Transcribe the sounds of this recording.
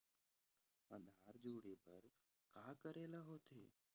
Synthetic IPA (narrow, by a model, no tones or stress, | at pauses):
ə̃nd̪ʱaːɾd͡ʒuːɽeːpəɾ | kaːkəɾeːlaːɦoːt̪ʰḛː